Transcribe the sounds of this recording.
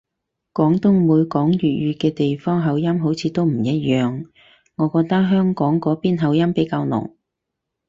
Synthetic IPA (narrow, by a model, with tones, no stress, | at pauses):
kɔː˨˥ŋt̪ʊ˥ŋmuː˨˧jkɔː˨˥ŋɥyː˨t̚ɥyː˨˧kɛː˧t̪e˨jfɔː˥ŋɦɐ˨˧wjɐ˥mɦo˨˥wt͡sʰiː˨˧t̪o˥wm̩˨˩jɐ˥t̚jœː˨ŋ | ŋɔː˨˧kɔː˧k̚t̪ɐ˥k̚ɦœː˥ŋkɔː˨˥ŋkɔː˨˥piː˥nɦɐ˨˧˥wjɐ˥mpe˨˥jkaː˧wnʊ̰˨˩ŋ